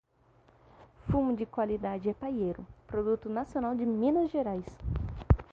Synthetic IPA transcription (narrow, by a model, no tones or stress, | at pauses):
fũmʊd͡ʒɪkwalid̪ad͡ʒɪɛpajejɾʊpɾod̪ut̪ʊnasiõnawd͡ʒɪmĩnɐzʒeɾajs